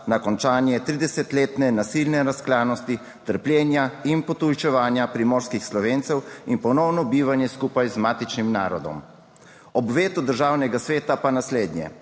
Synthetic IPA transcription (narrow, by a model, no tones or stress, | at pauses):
nakɔnt͡ʃaːnjɛt̪ɾiːd̪ɛsɛt̪leːt̪nɛnasilnɛɾasklaːnɔst̪i | t̪əɾpljɛːnjainpɔt̪ujt͡ʃɛʋaːnjapɾimɔɾskixslɔʋeːnt̪sɛwinpɔnɔwnɔbiːʋanjɛskuːpajzmaːt̪it͡ʃnimna̰ːɾɔd̪ɔ̰m | ɔbʋeːt̪ud̪əɾʒaːwnɛɡasʋeːt̪apanasleːd̪njɛ̰